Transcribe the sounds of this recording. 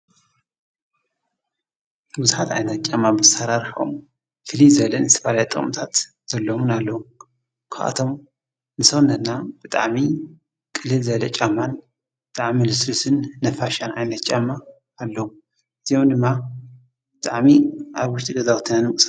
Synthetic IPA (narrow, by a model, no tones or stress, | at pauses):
buzuħat̪a̰jnɐt̪t͡ʃʼamːamɨsaɾaɾħo̰m | fɨlizɐlɐnɨst̪ʰɐfalajt̪ʼɨχʼmt̪ʰat̪ | z̥ɐlːomunalːɐwum | kʰɨʔa̰t̪ʰom | nɨsɐwnːɐnabɨt̪ʼa̰ʕmi | kʼɨlːɨlzɐlɐt͡ʃʼamːan | bɨt̪ʼaʕmilɨsɾusɨnːɐfaʃanajnɐt̪t͡ʃʼamːaː | lːɐwum | ʔɨz̥ijomd̪ɨmːa | bɨt̪ʼaʕmiʔaβwʊʃt̪ʼiɡɐzawt̪ʰɨnanmɨkʼs